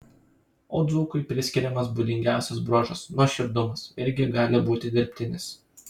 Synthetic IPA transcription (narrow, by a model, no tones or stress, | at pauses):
oːd̪zuːkʊɪpʲɾʲɪsʲkʲɪɾʲɛmɐs̬buːd̪ʲɪŋʲɡʲæˑʊsʲɛsbɾoːʒɐsnuɔʃʲɪɾd̪ʊmɐsɪɾʲɡʲɪɡɑːlʲɪbuːt̪ʲɪd̪ʲɪɾʲpʲt̪ʲɪnʲɪs